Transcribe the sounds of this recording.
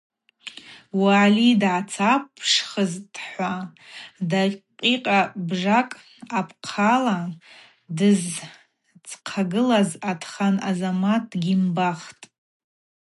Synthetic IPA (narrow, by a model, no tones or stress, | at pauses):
waːlidʕat͡sʰapʰʂχəzdħʷa | daqʼiqʼabʐakʼ | apʰqʰala | dɨz | t͡sqʰaɡɨlazatʰχanazamatʰʼɡʲimbaχtʼ